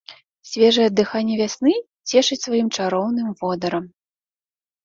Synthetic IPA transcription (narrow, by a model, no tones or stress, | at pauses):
sʲvʲɛʐɨjɐd̪ːɨxanʲːɛvʲasnɨ | t͡sʲɛʂɨt͡sʲsvajimt͡ʂaɾɔwnɨmvɔd̪ɐɾɐm